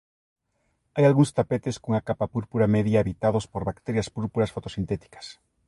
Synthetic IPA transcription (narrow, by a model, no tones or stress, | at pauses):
ajalɣuŋst̪apet̪eskoŋakapapuɾpuɾamɛðjaeβit̪aðospoɾβakt̪eɾjaspuɾpuɾɐsfot̪osint̪ɛt̪i̥kɐ̥s